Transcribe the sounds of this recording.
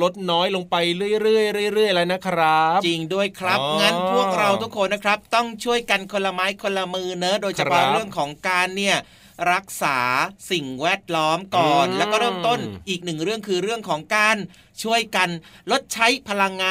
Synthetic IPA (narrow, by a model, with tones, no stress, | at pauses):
lo˦˥t̪̚nɔː˦˥jlo˧ŋpa˧jɾɯ˥˩əjɾɯ˥˩əjɾɯ˥˩əjɾɯ˥˩əjla˦˥na˦˥kʰɾa˦˥t͡ɕi˧ŋdu˥˩əjkʰɾa˦˥p̚ŋa˧˥˩npʰu˥˩ək̚ɾa˧wt̪ʰu˦˥kʰːo˧nːa˦˥kʰɾa˦˥p̚t̪ɔ˥˩ŋt͡ɕʰu˥˩əjka˧nkʰo˧nla˧maː˦˥jkʰo˧nla˧mɯː˧na˦˥doː˧jt͡ɕʰapʰɔ˦˥˦ɾɯ˥˩əŋkʰɔː˩˦ŋkaː˧nːi˥˩ɐ | ɾa˦˥k̚saː˩˦si˨˩ŋwɛː˥˩t̪̚lɔː˦˥mkɔː˨˩nlɛ˦˥wkɔː˥˩ɾɤː˥˩mt̪o˥˩nʔiː˨˩k̚nɯ˨˩ŋɾɯ˥˩ŋkʰɯː˧ɾɯ˥˩əŋkʰɔː˩˦ŋkaː˧n | t͡ɕʰu˥˩əjka˧nlo˦˥t̪̚t͡ɕʰa˦˥jpʰa˧la˧ŋːaː˧